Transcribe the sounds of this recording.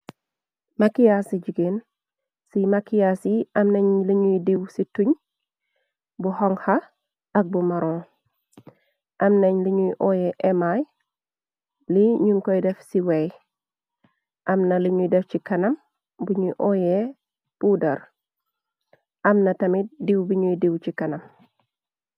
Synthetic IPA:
makijasiɟiɡen | simakijasiʔɐmnɐɲliɲudiwsituɲ | buhɔŋhɐ | ɐk̚bumɐɾɔ̃ː | ʔɐmnɐɲliɲuiʔɔjɛʔɛmaj | liɲuŋkɔjdɛfsiwɛj | ʔɐmnɐliɲudɛfcikɐnɐm | buɲuʔɔje | pudɐɾ | ʔɐmnɐtɐmidiwbiɲuidiwt͡ʃikɐnɐm

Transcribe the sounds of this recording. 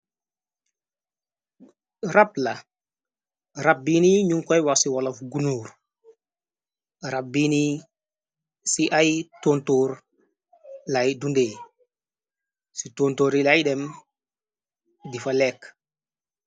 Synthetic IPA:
ɾapla | ɾabiniɲuŋkɔjwasiwɔlɔfɡunuːɾ | ɾabini | siʔajtontoːɾ | lajdunde | sitoːntoːɾilajɗɛm | difalɛk

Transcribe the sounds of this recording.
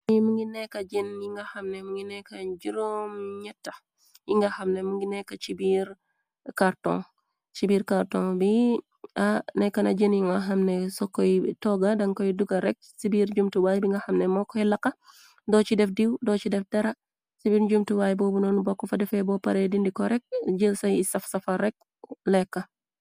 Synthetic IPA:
muŋɡinɛkɐd͡ʒinjiŋɡɐxɐmnɛmuŋɡinɛkaɟiɾomɲɛtːɐ | jiŋɡɐxɐmnɛmuŋɡinɛkːɐt͡ʃibiːɾ | kaɾtɔ̰̃ŋ | t͡ʃibiːɾkaɾtɔ̃ŋbi | anɛkːɐnad͡ʒinjiŋɡaɦɐmnɛsɔkɔjtɔɡɐdɐŋkɔjduɡɐɾɛk̚sibiːɾɟumtuwajbiŋɡɐxɐmnɛmɔkːɔjlɐkːɐ | dɔːt͡ʃidɛfdiwdɔt͡ʃidɛfdɛɾɐ | sibiɾɟumtuwaːjbɔːbunɔnubɔkːɔfɐdɛfɛbɔpɐɾedindikɔɾɛk̚ɟəsɐjisɐfsɐfɐɾɛk̚ | lɛkːɐ

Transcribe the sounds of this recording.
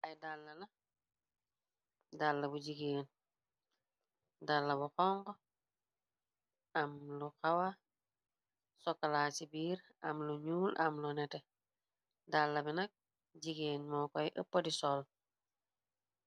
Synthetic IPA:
ʔajdalːɐlɐ | dalːɐbuɟiɡeːn | dalːɐbuxɔŋɡo | amluxawa | sɔkːalasibiːɾ | amluɲuːla̰mlunɛte | dalːɐbinɐk̚ | ɟiɡenmɔkɔjʔəpːodisɔl

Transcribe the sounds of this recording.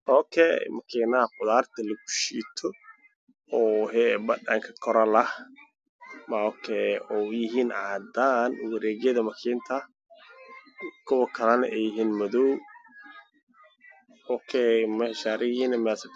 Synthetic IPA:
ʔɔːkʰɛ̰mɐkʰiːnɐɐqʊðaːrt̪ʰɐlɐɡʊ̥ʃiːt̪ʰɔ | ɔːɦɛbɐdɐ̰ŋkʰɐkʰɔɾɐlɐh | mɐɔːkʰɛɔːjɪɦiːnʕaːd̪aːnwɐɾɛːɣjɐðɐmɐkʰiːnt̪ʰɐ | kʰʊwɐkʰɐlɐnɐ̰ʔɛjɪɦiːnmɔðɔw | ɔːkʰɛmɐhʃaːɾɪjiːnɐmɛsɐ

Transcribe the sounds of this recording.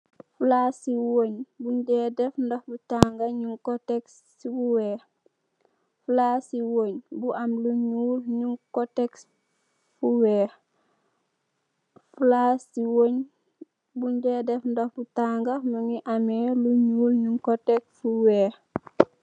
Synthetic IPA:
fulasiwoɲbuɲɟɛdɛfndohbutaŋɡaɲuŋkoteksːibuwɛː | fulasiwoɲbuʔamluɲuːlɲuŋkoteks | fuwɛː | fulasiwoɲ | buɲd͡ʒedɛfndohbutaŋɡamuŋiʔameluɲuːlɲuŋkotekfuwe

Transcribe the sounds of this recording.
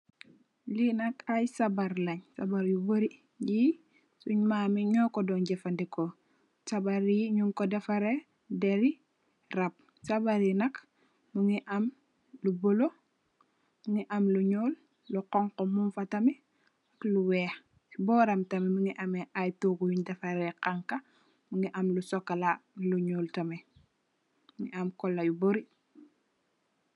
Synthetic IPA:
linɐkajsɐbaɾlɐɲsɐ̰baɾjuboɾi | ji | suɲmaːmiɲɔːkɔdɔnɟɛfɐndɛkɔ | sɐbaɾiɲuŋkɔdɛfɐɾe | dɛɾi | rɐp̚ | sɐbaɾinɐk | muŋiʔɐm | lubɔlo | muŋiʔɐmluɲoːlː | uqɔŋkɔmumfɐtɐmi | ɐkluwɛːx | bɔːɾɐmtɐmɛmuŋiʔɐmɛʔajtoɡujudɐfɐɾɛqaŋkɐ | muŋiʔɐmlusɔkːɐlaluɲuːltɐmɛ | muŋiɐmkɔlːɐjuboɾi

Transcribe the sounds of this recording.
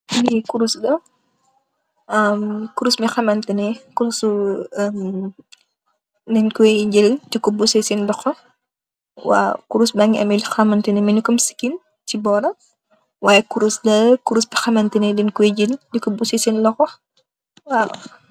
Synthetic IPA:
bikuɾusdɐ | ɐmkuɾusmixɐmɐntənɛkuɾusuəm | dɛnkuɛɟildikɔbusɛsindɔxɔ | wa̰kuɾusbaːŋiʔɐ̰mɛdixɐmɐntɐnɛmɐnukɔmsi̥kin | tibɔːɾɐ | waːjɛkuɾusdɐkuɾusbixɐmɐntɐnɛdɛnkuɛɟildikɔbusɛsinlɔxɔ | waː

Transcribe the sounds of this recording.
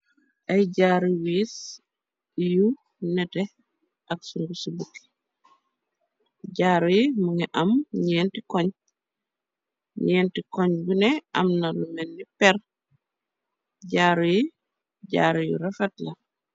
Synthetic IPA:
ʔɐjɟaːɾiwiːs | ju | nɛtɛ | ɐksuŋɡusubukːi̥ | ɟaːɾujimuŋɛʔɐmɲɛːntikɔɲ | ɲɛːntikɔɲɡunɛɐ̰mnɐlumɛnːipɛɾ | ɟaːɾuji | ɟa̰ːɾijṵɾɐfɛtlɐ

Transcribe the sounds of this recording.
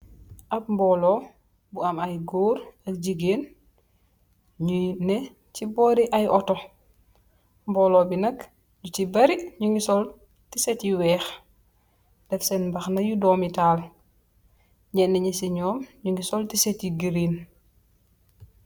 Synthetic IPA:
ʔɐp̚mbɔːlɔ | buɐmɐjɡoːɾɐk̚ɟiɡeːn | ɲunɛ | cibɔːɾiʔɐjʔɔtɔ | mbɔːlɔːbinɐk | ɟutibɐɾiɲuŋɡisɔl | tisɛtjiwɛːx | dɛfsɛnmbɐxnɐjudɔːmitaːl | ɲɛnːɛɲisiɲɔːmɲuŋɡisɔltisɛtjiɡiɾiːn

